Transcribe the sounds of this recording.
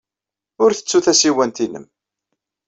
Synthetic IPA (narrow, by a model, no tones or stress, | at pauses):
ʊɾθə̥t͡sːuθæsiwænt̪inə̰m